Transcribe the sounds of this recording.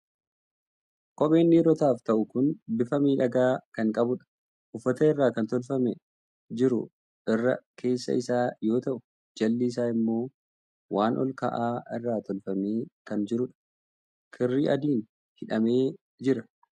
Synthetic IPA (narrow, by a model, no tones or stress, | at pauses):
kʼɔɓe̞ːnːiɾɔt̪aːft̪ɐʔʊkʊnbɪfɐmiːᶑɐɡaːkɐŋkʼɐbʊᶑɐ̥ | ʔʊfːɐt̪ɐɪrːaːkɐnt̪ɔlfɐmɛ | d͡ʒɪɾʊ̰ | ʔɪrːɐ̰kʰe̞ːsːɐ̰ɪsaːjo̞ːt̪ɐʔʊ | d͡ʒɐlːiːs̬aːɪmːo̞ː | wʔaːnʔɔ̰lkɐ̰ʔaːɪrːaːt̪ɔlfɐmeːkɐnd͡ʒɪɾʊᶑɐ̥ | kʰɪrːiːʔɐd̪iːn | hɪᶑɐme̞ː | d͡ʒɪɾɐ